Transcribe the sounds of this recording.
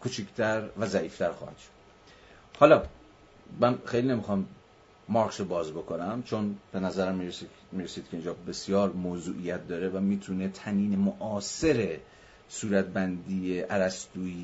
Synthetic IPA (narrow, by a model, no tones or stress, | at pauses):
kʰot͡ʃʰicʰt̪ʰæɾvæzæʔiːft̪ʰæɾxɒ̰ːhæ̰d̪̥ʃo̥d̪̥ | hɒlɒː | mænxejliːne̞mixɒmː | ɒɾkʃobɒːzbo̞kʰo̞næmt͡ʃʰonb̥e̞næzæɾæmːiɾe | miːɾesiːd̪̚kʰe̞iːnd͡ʒɒːbe̞sjɒːɾmoːzuːʔijæt̪̚d̪ɒːɾevæmiːt̪ʰunet̪ʰæniːnemoʔɒːse̞ɾe̞ | suːɾæt̪̚bænd̪iːjeʔæɾæst̪uːi